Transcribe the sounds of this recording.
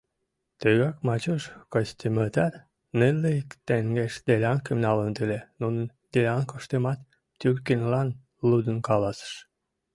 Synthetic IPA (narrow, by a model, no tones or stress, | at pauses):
t̪eɣɑkmɑt͡ɕoʃkosʲt̪ʲimət̪ær | nelːekt̪eŋɡeʃd̪elʲɑnkimnɑlənt̪ylenunən | d̪̥elʲɑnkoʃt̪emɑt̪ | t̪ʲyrkinʲlɑn | lud̪ənkɑlɑsə̥ʃ